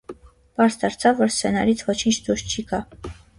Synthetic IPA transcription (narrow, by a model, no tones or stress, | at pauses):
b̥ɑɾsd̪ɑɾt͡sʰɑvːɔɾst͡sʰɛnɑɾit͡sʰvɔt͡ʃʰint͡ʃʰd̪uʃt͡ʃʰikɑ